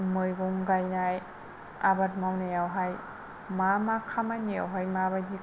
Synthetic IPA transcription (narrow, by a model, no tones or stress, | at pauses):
mɯjɡuŋɡajnaj | abat̚mawnajawɦaj | mamakʰamajnija̰wɦajmabajzi